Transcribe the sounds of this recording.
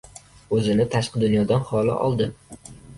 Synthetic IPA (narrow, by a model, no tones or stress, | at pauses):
ɵzɪnɪt̪ʰaʃqɨd̪ʊnjɒd̪anχɒlɪ̰ʔɒ̰lˠd̪ɪ